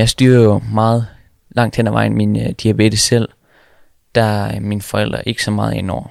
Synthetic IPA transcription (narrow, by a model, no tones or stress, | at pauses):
jɑ̈ɪsd̥yːɐ̰ðˠjˠo̝mɑ̈ːð̞̩ˠ | lɑ̈ŋ̰d̥hen̰æʋʔɑ̈ɪn̩mind̥iæb̥e̝d̥əsel̰ | d̥æminfɒ̽el̰d̥ʁɐʔe̝ɡ̥ə̥sɒ̽mɑ̈ːð̞̩ˠenɒ̰ʊ̰ɐ